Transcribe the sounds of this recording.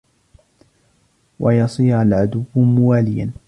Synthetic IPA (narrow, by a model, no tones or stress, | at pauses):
wʔɑjɑsˤiːɾalʕad̪ʊwːmʊwaːlɪjan